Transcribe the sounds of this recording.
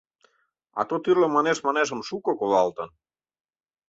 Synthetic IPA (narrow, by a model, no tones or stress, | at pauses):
ɑ̰t̪ot̪yrlemɑneʃmɑneʒə̆mʃukokolɑlt̪ən